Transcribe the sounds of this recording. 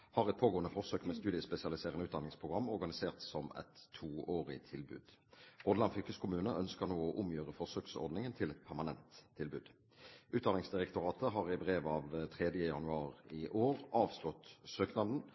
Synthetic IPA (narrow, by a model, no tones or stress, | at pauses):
hɑʁɛt̪̚pʰoːɡoːənəfɔʁsøːkmɛst̪ʉːd̪ɪəspɛsɪɑlɪseːʁənəʉːt̪d̪ɑnɪŋspʰʁʊɡʁɑmːɔʁɡɑnɪseːʁt̪sɔmɛ̰t̪ʰːuːoːʁɪ̰t̪ʰɪlbʉ̰ːd̪̥ʁoːd̪lɑnfʏkəskʰʊmʉːnəʔœnskəʁnoːɔʔʊmjøːʁəfɔʁsøːksɔ̰ʁd̪nɪŋənt̪ʰɪlɛt̪pʰæʁmɑnɛnt̪ʰːɪlbʉ̰ːd̪ | ʔʉːt̪̚d̪ɑnɪŋsd̪ɪʁɛkt̪ʊʁɑːt̪əɦɑʁɪbʁeːʋɑʋt̪ʰʁɛd̪jəjɑnʉɑːʁɪʔoːʁɑːʋslɔt̪søːknɑd̪n̩